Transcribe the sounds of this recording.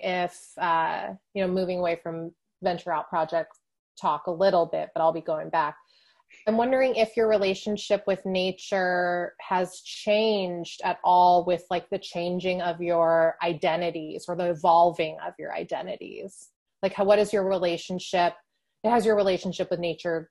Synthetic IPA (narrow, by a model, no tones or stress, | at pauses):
ʔɪfʌjɨnoʊmʉvɪ̃ŋəweɪfɹʌ̃ɱ | vɛ̃nt͡ʃə˞aʊt̚pʰɹ̥ɑd͡ʒɛk̚t | tʰɔkəlɪɾl̩ˠbɪ̰t̚b̥ʌɾaɪlˠbiɡoʊɪ̃ŋbæk̚ | ãɪ̃mwʌ̃ndə˞ɪ̃ŋʔɪfjə˞ɹileɪʃɨ̃n̩ʃɪpwɨðneɪt͡ʃə˞ɨz̥t͡ʃʰẽɪ̃nd͡ʒdɨɾɔlˠwɪð̥laɪk̚ðɨt͡ʃʰẽɪ̃nd͡ʒɪ̃ŋʌvjə˞aɪdɛ̃ɾɨɾizə˞ðiɨvɑlˠvɪ̃ŋʌ̰vjə̰˞a̰ɪdɛ̃ñɨ̰ɾḭz̥ | laɪkhwʌɾɨzjə˞ɹileɪʃɨ̃n̩ʃɪp̚ | ɨt̚hɨzjə˞ɹileɪʃn̩ʃɪpwɨðneɪt͡ʃə˞